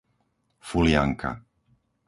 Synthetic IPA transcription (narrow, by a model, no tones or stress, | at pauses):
fuljaŋkʰa̰